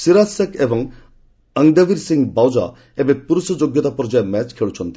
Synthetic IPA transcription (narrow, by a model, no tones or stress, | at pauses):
siɾasɐkebɔŋ | əŋɖaʋiɾsiŋɡbawd͡ʒa̰ | ebepuɾusɔd͡ʒoɡjɔt̪apɔɾd͡ʒaemɛt͡ʃkʰeɭut͡ʃʰɔnt̪i̥